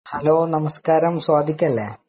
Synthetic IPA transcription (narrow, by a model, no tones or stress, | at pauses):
hɐloːnɐmɐskaːɾɐmswaːd̪ʱikʲːɐlːḛː